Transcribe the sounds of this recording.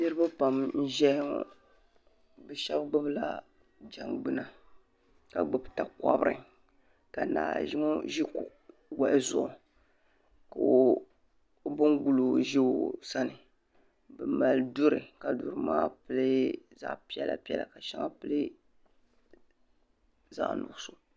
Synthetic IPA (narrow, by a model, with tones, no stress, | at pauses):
nɨ˦ɾɨ˦ba˦pa˨mn̩˦ʒɛ˦ŋɔ̰˨ | bɨ˨ʃɛ˦bɡ͡bɨ˦bla̰˨ | d͡ʒa˨ŋɡ͡bɨ˦na˨ | ka˨ɡ͡bɨ˦bta˨ka̰˦bɨ˦ɾɨ̰˨ | ka˨na̰ː˨ʒi˦ŋo˦ʒi˦ku˨ʔ | wa˨ʔɪ˦zʊ˨ʔʊ˨ | ka˨˦ | bɨ˦nɡu˨lo˨ʒe˦˨sa˦nɨ˨ | bɛ˨ma˨ldu˦ɾɨ˨ka˨du˨ɾɨ˨maː˦pɨ˦lɨ˦za̰˨ʔpi˦ɛ˦la̰˨pi˦ɛ̰˦la̰˨ka˨ʃa˦ŋa˦pɨ˦lɨ˦ | za̰˨ʔnʊ̰˨ɡʊ˦˨so˨